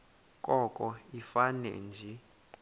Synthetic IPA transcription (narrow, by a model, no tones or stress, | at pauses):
kʼɔkʼɔifanɛ̰nd͡ʒʱɛ